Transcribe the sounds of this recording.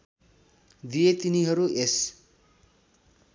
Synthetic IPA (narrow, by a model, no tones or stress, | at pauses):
d̪iet̪iniɦʌɾues